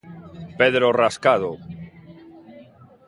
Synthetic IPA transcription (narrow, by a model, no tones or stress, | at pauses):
peðɾoraskað̞o